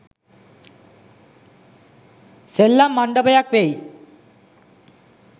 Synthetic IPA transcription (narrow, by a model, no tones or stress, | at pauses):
selːamːaɳɖəbəjakʋej